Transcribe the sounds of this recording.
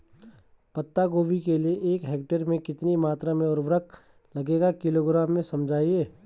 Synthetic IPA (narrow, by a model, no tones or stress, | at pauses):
pɐt̪ːaɡoːbikelieʔeːkɦeːk̚ʈəɾmẽkɪt̪nimaːt̪ɾamẽɔːɾʋɾək̚ | lɐɡeːɡakɪloːɡɾaːmːẽsɐmd͡ʒʱaːiɦɛː